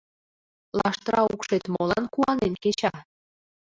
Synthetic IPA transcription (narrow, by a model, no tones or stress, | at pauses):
lɑʃt̪əɾɑukʃet̪molɑnkuɑnenket͡ɕɑ